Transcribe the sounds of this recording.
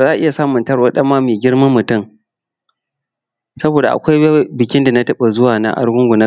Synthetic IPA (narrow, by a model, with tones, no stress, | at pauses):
zaː˦˨ʔɪ˦ja˨saː˦mʊ˨ntɐ˦ɽwa˦ɗɐ˦mːaː˦meː˨ɡʲɪ˦ɽmɐ˦mːʊ˨tʊ˦ŋ | sɐ˦boː˨da˨ʔa̰˨kʷa˦jbɪ˨kʲɪ˦nda˨na˦tɐ˦ɓa˨zʊ˦waː˨na̰˦ʔa̰˦ɽɡʊ˦ŋɡʷʊ˨na˦